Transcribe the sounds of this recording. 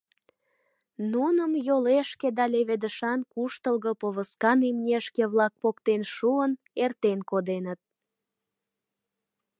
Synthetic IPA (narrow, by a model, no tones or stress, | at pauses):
nunəmjoleʃked̪ɑleβed̪əʃɑnkuʃt̪əlɣəpoβəskɑnimnʲeʃkeβlɑk̚pokt̪enʃuən | ert̪enkod̪enət̪̚